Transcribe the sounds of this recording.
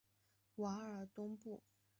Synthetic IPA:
wa˧˥ə˞˨˩˥t̪ʊ˥ŋpu˥˩

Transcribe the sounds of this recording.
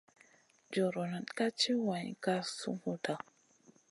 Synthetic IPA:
d͡ʒo˨ɾo˨na˨nka˦t͡ʃi˦wa˨ɲ˨ka˦sṵ˦hu˦ta˨

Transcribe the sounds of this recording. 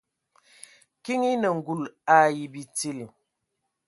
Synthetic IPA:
ki˦ŋi˦nə˨ŋ̩˨ɡu˨la˦˨ji˨bi˨t͡si˦˨l

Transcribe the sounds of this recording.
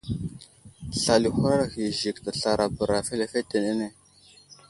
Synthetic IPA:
ɬa˨li˨xʷu˦ɾa˦ɾa˨ɣi˨ʒi˨kta˨ɬa˨ɾa˨bə˨ɾa˨fe˦le˦˨fe˦te˨ne˦ne˦

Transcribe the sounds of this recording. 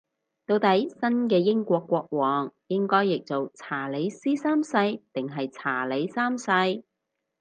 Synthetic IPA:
t̪o˧wt̪ɐ˨˥jsɐ˥nkɛː˧jɪ˥ŋkʷɔː˧kːʷɔː˧k̚wɔː˨˩ŋjɪ˥ŋkɔː˥jːɪ˨k̚t͡so˨wt͡sʰaː˨˩le˨˧jsiː˥saː˥msɐ˧jt̪ɪ˨ŋɦɐ˨jt͡sʰaː˨˩le˨˧jsaː˥msɐ˧j

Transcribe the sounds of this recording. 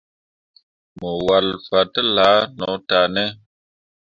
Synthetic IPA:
mə˨wa˨lfa˨tə˦la˨˦nɔ˨˦ta˨nɛ˦

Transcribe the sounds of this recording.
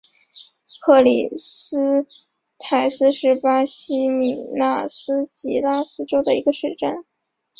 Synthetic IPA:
kʰɤ˥˩lḭ˨˩s̩˥ | t̪ʰa˨˩ɪsɹ̩˥ʂɻ̩˥˩pa˥ɕi˥mi˨˩na˥˩sɹ̩˥t͡ɕi˧˥la˥˩sɹ̩˥ʈ͡ʂo˥ʊd̪ə˨i˧˥ɡə˧ʂɻ̩˥˧ʈ͡ʂa˥˩n

